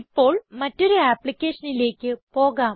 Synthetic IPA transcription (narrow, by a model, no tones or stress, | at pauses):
ipːo̞ːɭmɐtːoɾuaːplikʲːe̞ːʂɐnile̞ːkʲːɨpo̞ːɣaː